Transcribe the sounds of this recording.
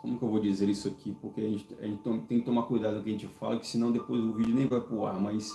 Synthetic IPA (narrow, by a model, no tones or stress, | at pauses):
kõ̰mʊkɪewvowd͡ʒizeɾisʊakʰipoɾkeaʒẽnt͡ʃɪ̥aʒẽnt͡ʃɪt̪omt̪ẽkɪt̪omakujd̪ad̪ʊkkɪɐʒẽnt͡ʃɪfa̰lɐkɪ̥sɪinɐ̃w̃d̪epojzʊvid͡ʒʊnẽj̃vajpɾʊa̰ɾmajs